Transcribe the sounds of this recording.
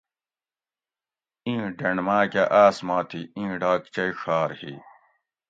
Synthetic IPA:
ĩːɖɐɳmaːkɐʔaːsmaːt̪ʰiĩːɖaːkt͡ɕɐiʂaːɾhḭː

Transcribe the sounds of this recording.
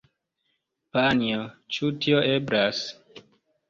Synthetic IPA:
paniot͡ʃutioʔe̞bɾas

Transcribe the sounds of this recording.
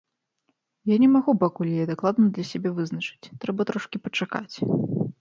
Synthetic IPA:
janʲɛmaɣupakulʲjad̪aklˠad̪nɐd̪lʲɐsʲabʲɛvɨznɐt͡ʂɨ̥t͡sʲt̪ɾɛbɐt̪ɾɔʂkʲipɐt͡ʂaka̰t͡sʲ

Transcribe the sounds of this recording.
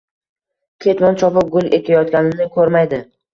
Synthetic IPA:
kʲʰet̪mɒnt͡ʃʰɒpɪp̚ɡʊlˠek̪ʲʰajɒt̪̚kʲanɪnɪkʰɵɾmajd̪ɪ

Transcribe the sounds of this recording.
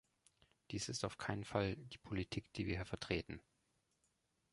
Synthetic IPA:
d̥iːsɪstaʊfkʰaɪnənfald̥iːpʰolitʰiːkd̥iːviːɐiːɐfɛɐtʁ̥eːtn̩

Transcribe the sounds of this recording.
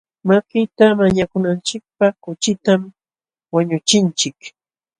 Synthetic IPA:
makɪt̪amaɲakʊnant͡ʃɪk̚paχkʊt͡ʃɪt̪am | waɲʊt͡ʃɪnt͡ʃɪk

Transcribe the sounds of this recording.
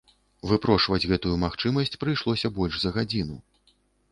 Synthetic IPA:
vɨpɾɔʂvɐd͡zʲɣɛt̪ujumaxt͡ʂɨmɐsʲt͡sʲpɾɨjʂlˠɔsʲɐbɔlʲʂzɐɣad͡zʲinu

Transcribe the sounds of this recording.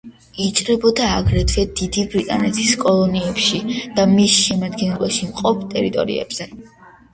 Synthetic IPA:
it͡ʃʼɾɛbɔd̪aːɡɾɛd̪vɛd̪̥id̪ibɾit̪ʼanɛt̪ʰiskʼɔlˠɔniɛpʃid̪̥amisʃɛmad̪ɡɛnɛbaʃimqʼɔpʰt̪ʼɛɾit̪ʼɔ̰ɾḭɛ̰b̥z̥ɛ

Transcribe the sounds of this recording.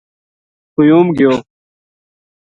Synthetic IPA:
kʊjuːmɡɪjoː

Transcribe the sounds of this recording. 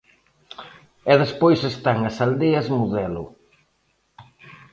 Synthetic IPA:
ɛðespojsest̪aŋɐsald̪eɐzmuðɛlʊ̰

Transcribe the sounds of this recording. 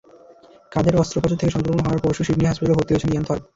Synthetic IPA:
kad̪eɾɔst̪ɾopad͡ʑot̪ʰːekeʃɔŋkɾomonoɦɔwaɾpoɾʃuʃibniɦaspat̪aleoɦot̪iot͡ɕʰeniant̪ʰɔɾ

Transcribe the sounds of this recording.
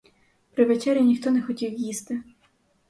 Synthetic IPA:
pɾɪʋɛt͡ʃɛɾʲjinʲixt̪ɔnɛxɔtʲiwjist̪ɪ

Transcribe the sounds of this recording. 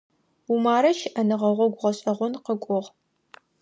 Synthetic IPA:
umaːɾɐʃɪʔɐnɨʁɐʁʷɔɡʷʊʁɐɕʼɐʁʷɔnqəkʷʼʊʁ

